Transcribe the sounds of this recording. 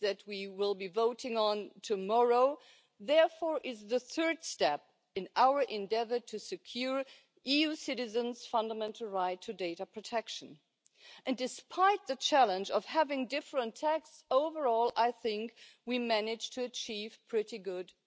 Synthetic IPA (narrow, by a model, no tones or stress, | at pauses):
ðɨt̚wiwɪlˠbivoʊɾɪ̃ŋə̃ntʰɨmɔɹoʊ | ðɛɹfɔɹʔɪzðɨθɜ˞d̥stɛp̚ | ɨ̃naʊə˞ʔɨ̃ndɛvə˞tʰɨsɨkʰj̥ʊɹ | ʔijʉsɪɾɨzɨ̃nz̥fʌ̃ndəmɛ̃ntʰˡl̩ˠɹaɪtʰɨdeɪɾəpʰɹ̥ɨtʰɛkʃɨ̃n | ʔɨ̃ndɨspʰaɪt̪̚ðɨt͡ʃʰælˠə̃nd͡ʒʌv̥hævɪ̃ŋdɪfɹə̃ntʰækssoʊvə˞ɔlˠaɪθɪ̃ŋkwimænɪ̥d͡ʒ̥tʰɨɨt͡ʃʰiv̥pʰɹ̥ɪɾiɡʊd